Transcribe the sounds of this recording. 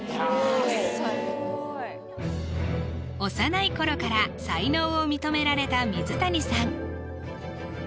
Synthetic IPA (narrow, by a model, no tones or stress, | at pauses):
o̞sanaiko̞ɾo̞kaɾasaino̞ːomʲit̪o̞me̞ɾaɾe̞t̪amʲizɨt̪aɲʲisãŋ